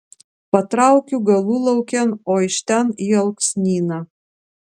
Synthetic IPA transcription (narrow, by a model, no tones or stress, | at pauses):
pɐt̪ɾɑˑʊkʲuɡɐlˠuːlˠɐʊkʲɛnoːɪʃʲt̪ʲɛniːɐlˠksʲnʲiːnɐ